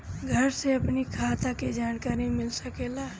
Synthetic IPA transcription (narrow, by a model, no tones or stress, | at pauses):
ɡʱəɾseɐpnikʰaːt̪ʰaked͡ʒaːnkaːɾimɪlsəkela